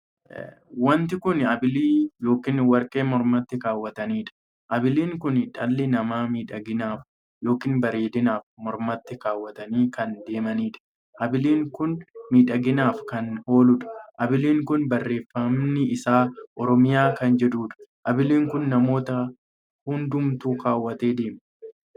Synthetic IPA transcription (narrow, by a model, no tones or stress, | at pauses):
wɐnt̪ɪkʊnɐbɪliːjo̞ːkɪnwɐɾkʼe̞ːmɔɾmɐt̪ːɪkaːwːɐt̪ɐniːᶑɐ̥ | ʔɐbɪliːŋkʊnᶑɐlːɪnɐmaːmiːᶑɐɡɪnaːf | jo̞ːkɪːnbɐɾe̞ːd̪ɪnaːfmɔɾmɐt̪ːɪkaːwːɐt̪ɐniːkɐnd̪e̞ːmɐniːᶑɐ̥ | ʔɐbɪliːŋkʊnmiːᶑɐɡɪnaːfkɐno̞ːlʊᶑɐ̥ʔɐbɪliːŋkʊnbɐrːe̞ːfːɐmnɪɪsaːʔɔɾɔmɪjaːkɐnd͡ʒɛᶑuːᶑɐ̥ʔɐbɪliːŋkʊnːɐmo̞ːt̪ɐ | hʊnd̪ʊmt̪uːkaːwːɐt̪e̞ːd̪e̞ːm